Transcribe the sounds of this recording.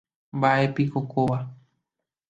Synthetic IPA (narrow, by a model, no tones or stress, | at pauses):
mbaʔe̞pikokoʋa